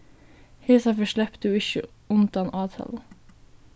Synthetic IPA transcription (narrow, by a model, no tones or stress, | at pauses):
heːsɑfəʃɭɛpt̪ʉːɪçə̰ʊnd̪ɑnʔɑːt̪ʰɑ̰ːlə